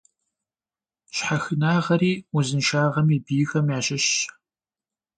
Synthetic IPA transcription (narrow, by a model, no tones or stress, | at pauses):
ɕħaxɨnaːʁɐɾiːuzɨnʃaːʁɐmiːbiːxɐmjaːɕɪɕ